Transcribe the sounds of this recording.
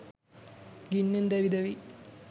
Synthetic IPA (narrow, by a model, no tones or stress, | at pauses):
ɡinːind̪ɐʋid̪ɐʋi